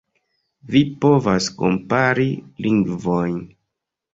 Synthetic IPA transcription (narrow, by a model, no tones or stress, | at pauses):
vipo̞vasko̞̰mpaɾilʔiŋɡvojn